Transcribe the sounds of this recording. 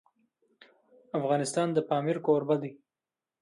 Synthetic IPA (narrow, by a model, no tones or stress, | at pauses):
afɣɑnɪst̪ɑnd̪əpɑmɪɾkoɾbad̪i